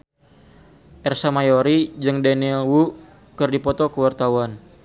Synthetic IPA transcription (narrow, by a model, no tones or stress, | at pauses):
ʔɛrsamajoɾid͡ʒɨŋdanilwu | kɨrdipɔt̪ɔkəwart̪awan